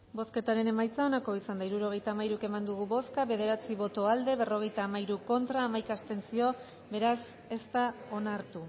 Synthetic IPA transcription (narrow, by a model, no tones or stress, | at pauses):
bo̞ske̞t̪aɾe̞ne̞majt͡sao̞nako̞isand̪aiɾuɾo̞ɣ̞e̞jt̪aːmaiɾuke̞mand̪uɣ̞uβo̞skaβe̞ð̞e̞ɾat͡siβo̞t̪o̞ald̪e̞βe̞ro̞ɣ̞e̞jt̪aːmaiɾuko̞nt̪ɾaːmajkast̪e̞nt͡sio̞ | be̞ɾas | e̞st̪ao̞naɾt̪u